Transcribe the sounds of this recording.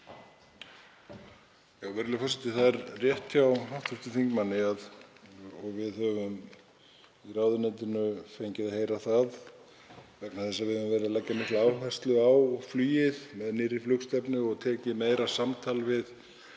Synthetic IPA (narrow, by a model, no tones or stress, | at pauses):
jawvɛɾlʏfɔrsɛt̪ɪθaðɛɾrjɛht̪jawɦaht̪ʏst̪ʏθiŋkmanːɪað | ɔɣvɪðhœvʏm | iraːwðʏnɛnt̪ʏnʏfejɲcɪðaheːjɾaθað | vɛknaθɛsːavɪðʏʏmvɛːɾɪðalajcːamɪht̪laːwhɛst̪lʏawflyːjɪðmɛðnɪrːɪflʏkst̪ɛpnʏɔɣt̪ʰɛːcɪmeːjɾasamt̪ʰaːlvɪð